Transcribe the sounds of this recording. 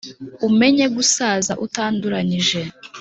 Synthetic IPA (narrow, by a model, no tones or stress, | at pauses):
ume̞ɲe̞ɡusaːzaʔutaːnduɾaɲiʒe̞